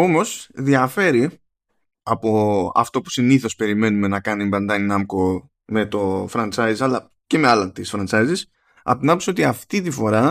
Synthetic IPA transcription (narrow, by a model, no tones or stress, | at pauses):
o̞mo̞sðiɐfe̞ɾi | ɐpo̞ɐ̰ft̪o̞pu̥siniθo̞spe̞ɾime̞nume̞nɐkɐnimbɐnd̪ɐninɐmko | me̞t̪o̞fɾɐnt͡sɐjzɐlɐ | ceme̞ɐlɐt̪isfɾɐnt͡sɐjzis | ɐ̰pot̪inɐmposo̞t̪iɐft̪it̪ifo̞ɾɐ